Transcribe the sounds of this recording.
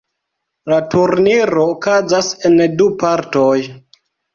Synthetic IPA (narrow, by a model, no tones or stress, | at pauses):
latʰuɾniɾo̞ːkazase̞ndupaɾtoj